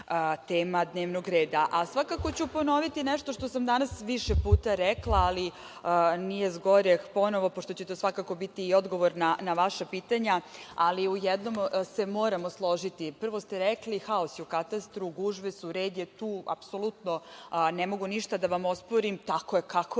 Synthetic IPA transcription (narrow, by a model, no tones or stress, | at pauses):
t̪eːmad̪ne̞ːʋnoɡɾeːd̪aʔasʋakako̞t͡ɕupo̞no̞ʋit̪inɛʃt̪o̞ʃt̪o̞samd̪anasʋiʃepuːt̪aɾɛklˠaːli | nije̞zɡo̞ɾepo̞no̞ʋo̞poʃt̪o̞t͡ɕe̞t̪osʋakako̞bit̪iːo̞d̪ɡo̞ʋo̞ɾnanaʋaʃapiːt̪aɲaaliujɛd̪no̞mse̞mo̞ːɾamoslˠo̞ʒit̪ipr̩ʋo̞st̪eɾɛklixaosjukat̪ast̪ɾuɡuʒʋesuɾeːd̪jet̪uːa̰pso̞lut̪no̞nemo̞ɡuniʃt̪ad̪aʋamo̞spoɾimt̪akoekako